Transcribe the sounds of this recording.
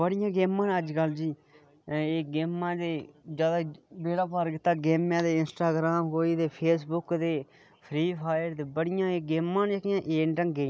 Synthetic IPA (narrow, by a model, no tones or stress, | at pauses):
bəɽɪjãːɡeːmãːnəd͡ʒkəld͡ʒiː | eːɡeːmːãːd̪eːd͡ʒjaːd̪aːbeːɽaːpəɾkɪt̪ːaːɡeːmjãːd̪eːɪnsʈaːɡɾaːmkoːiːd̪eːpʰeːsbʊkd̪eː | pʰɾiːpʰaːjəɾd̪eːbəɽɪjãːeɡeːmːãːnd͡ʒekɪjãːʔeːɳʈəŋɡeː